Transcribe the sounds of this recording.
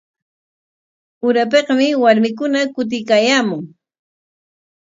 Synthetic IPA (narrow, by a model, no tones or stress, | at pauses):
ʊɾap̬eqɑmɪwaɾmɪkʊnakʊt̪̬ɪjkaːjaːmʊŋ